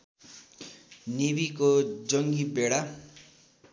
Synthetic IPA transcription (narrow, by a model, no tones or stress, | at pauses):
nibikod͡zʌŋɡibeɽa